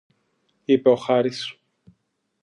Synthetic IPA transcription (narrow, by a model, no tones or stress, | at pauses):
ipe̞o̞xɐɾisu̥